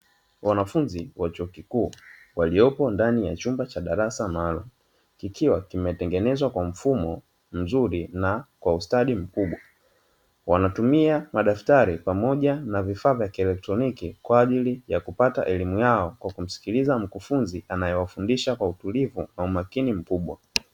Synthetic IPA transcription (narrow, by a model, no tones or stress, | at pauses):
wanafunziwat͡ʃuɔkikuː | waliɔpɔndanija̰t͡ʃumbat͡ʃaɗaɾasanalɔ | kikʰiwakimɛtɛŋɡɛnɛzwakwam̩fumɔ | m̩zuɾinakwaustaɗim̩kuɓwa | wanatumiamaɗaftaɾipamɔʄanavifaːvjakiɛlɛk̚tɾɔnikikwaːʄilijakupata̰ʔɛlimujaɔkwakum̩si̥kilizam̩kufunziʔanajɛwafundiʃakwautulivunaumakinim̩kuɓwa